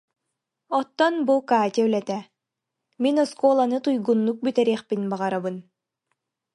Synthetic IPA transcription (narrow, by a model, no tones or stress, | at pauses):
ɔt̪ːɔnbukaːt̪ʲɛœlɛt̪ɛ | minɔskɔːlˠanɯt̪ujɡunːuk̚byt̪ɛɾiːχpinbaʁaɾabɯn